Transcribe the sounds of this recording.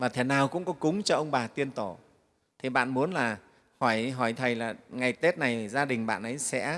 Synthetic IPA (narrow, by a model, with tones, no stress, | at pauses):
vaː˨˩t̪ʰe˨˦naː˨˩wkʊ̰˧˥ŋ͡mkɔ˨˦kʊ˨˦ŋ͡mt͡ɕɔ˧ʔə˧wŋ͡mɓaː˨˩t̪i˧ənt̪o˧˩ | t̪ʰi˨˩ɓa̰ː˧˨nmu˨˦ənlaː˨˩ | hɔ˧˩jɦɔ˧˩jt̪ʰə˨˩jlaː˨˩ŋa˨˩jt̪e˦˥t̚na˨˩jzaː˧ɗï˨˩ŋ̟ɓa̰ː˧˨nʔə˨˦jsɛ̰˧˥